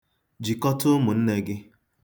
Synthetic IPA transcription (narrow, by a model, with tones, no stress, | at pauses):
d͡ʒi˨kɔ˦tʊ˦mʊ˨n̩˦ne˦ɡɪ˦